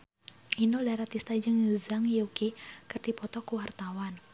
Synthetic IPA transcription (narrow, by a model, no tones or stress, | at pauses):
ʔinodaɾat̪ist̪ad͡ʒəŋzaŋjokikɨrdipɔt̪ɔkuwart̪awan